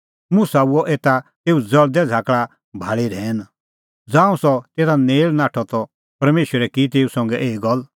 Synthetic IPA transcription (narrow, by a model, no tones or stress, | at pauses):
mʊ̃sauɔʔeːt̪at̪eːud͡zɐɭd̪ɛd͡zʱaːkɭa | bʱaːɭiɾɛ̃ːn | d͡zãːũsɔt̪eːɾaneːlnaːʈʰɔt̪ɔ | pɐɾmeːʃəɾɛkit̪̬eːusɔ̃ŋɡɛʔeːɡɔl